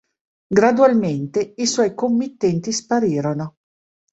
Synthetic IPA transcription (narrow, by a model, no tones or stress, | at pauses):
ɡɾad̪ualment̪eiswɔjkomːit̪ːɛnt̪ispaɾiːɾono